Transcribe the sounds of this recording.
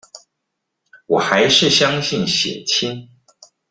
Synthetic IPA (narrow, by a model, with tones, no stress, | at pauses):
wɔ˨˩xa˧˥ɪʂɻ̩˥˩ɕjɑ˥ŋɕi˥˩nɕjɛ̰˨˩t͡ɕʰi˥n